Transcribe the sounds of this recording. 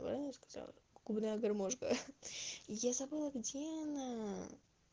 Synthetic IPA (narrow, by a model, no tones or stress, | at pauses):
bɾa̰nəskɐ̥za̰lˠə̰ɡ̥ubnajəɡɐrmoʐɡə̰ | jazɐbɨlˠəɡdʲeɐna